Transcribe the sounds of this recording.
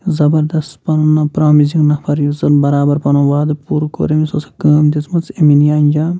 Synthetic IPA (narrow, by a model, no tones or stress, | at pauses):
zɐbɐɾd̪ɐst̪pɐnunɐpɾaːmiziŋnɐpʰɐɾjuzɐnbɐɾaːbɐɾpɐnuʋaːd̪puːɾko̰ɾemisosɐ̥kɐːmd̪it͡smɐt͡seminjaːnʲd͡ʒa